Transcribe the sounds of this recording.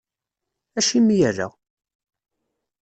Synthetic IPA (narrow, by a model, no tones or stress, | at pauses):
æʃimijərːæ̰